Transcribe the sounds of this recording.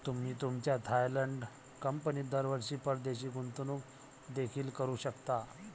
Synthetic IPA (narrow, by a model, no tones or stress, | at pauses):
t̪um̤iːt̪umt͡ɕjat̪ʰajləɳɖ | kəmpəniːd̪əɾʋəɾɕiːpəɾd̪eɕiːɡunt̪unuːk | d̪ekʰiːlkəɾuːɕəkt̪a